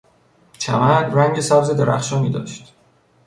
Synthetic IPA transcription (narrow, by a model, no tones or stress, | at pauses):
t͡ʃʰæ̰mæɾræŋɟesæbzed̪eɾʔæ̰xʃɒːmiːd̪ɒ̰ːʃt̪